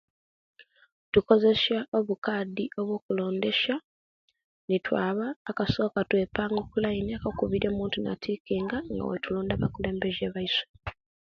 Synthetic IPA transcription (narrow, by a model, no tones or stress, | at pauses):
tuko̞ze̞saʔo̞βukaːdio̞βwo̞ːkulo̞ːnde̞ʃa | nitwa̰ːβaːkaso̞ːkatwe̞ːpaːŋɡokulaineakakuβiɾo̞ːmuːntuna̰tʰikiːŋɡaŋɡa̰wḛtulo̞ːndaβakule̞ːmbe̞ʒeβaiswe